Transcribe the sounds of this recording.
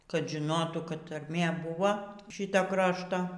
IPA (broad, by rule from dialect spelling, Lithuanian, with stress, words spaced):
kɐt ʒʲɪˈnoːtuː kɐt tɐrʲˈmʲeː ˈbʊʋoː ˈʃʲɪtoː ˈkrɑːʃtoː